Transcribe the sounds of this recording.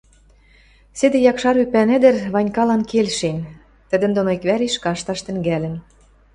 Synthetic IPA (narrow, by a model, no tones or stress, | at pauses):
sĕd̪ĕjɑkʃɑɾypænɘ̆d̪ɘ̆rβɑnʲkɑlɑnkelʃen | t̪ə̆d̪ə̆nd̪onoikβæɾeʃkɑʃt̪ɑʃt̪ɘ̆ŋɡælɘ̆n